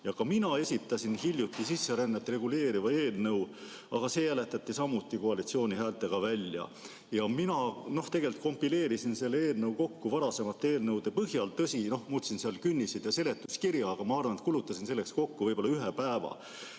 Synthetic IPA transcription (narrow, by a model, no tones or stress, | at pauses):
jɑkɑminɑe̞sʲit̪ːˑɑsinhilʲjut̪ːˑisisːeɾænːet̪re̞ɡ̥ule̞ːɾivɑe̞ːlnɤw | ɑɡ̥ɑse̞jæle̞t̪ːˑɑt̪ːˑisɑmːut̪ːˑikoɑlit̪sio̞ːnʲiɦæːlt̪ːˑe̞ɡ̥ɑvælʲjɑ̰ | jɑminɑno̞ht̪e̞ɡe̞lʲt̪̚ko̞mpːile̞ːɾisinse̞lːee̞ːlnɤwko̞kːuvɑɾɑse̞mɑt̪ːˑe̞ːlnɤwd̪e̞pɤɦjɑlt̪ɤsino̞hmut̪sinseɑlkynʲːised̪jɑse̞le̞t̪ːˑuskirjɑːɡ̥ɑmɑɑrvɑnet̪̚kulut̪ːˑɑsinse̞lːe̞ksko̞kːuvɤjbo̞lːɑyɦepæːvɑ̰